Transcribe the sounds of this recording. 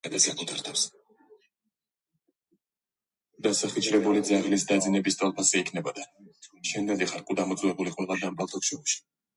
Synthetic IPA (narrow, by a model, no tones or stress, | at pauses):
ad̪asɡakʰut̪ʰaɾt̪ʰafs | d̪̥asaχit͡ʃɾɛbulid̪zaʁlisd̪ad̪zinɛbist̪ʼalˠpʰasiːkʰnɛbɔd̪aʃɛnd̪ɛliχaɾkʼud̪amɔt̪sʼvɛbuliχʼunlˠad̪ambʼalˠt̪ʰɔkʃɔuʃi̥